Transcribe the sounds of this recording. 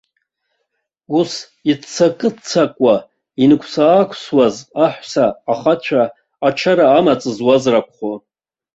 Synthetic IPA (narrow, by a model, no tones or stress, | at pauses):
us | itt͡sʰakʼɨt͡sʰakʷʼa | inɨkʷʰsaːkʷʰswazaħʷsaːχat͡ɕʷʰaː | t͡ʃʰaɾaːmat͡sʼɨzwazrakʷʰʼχo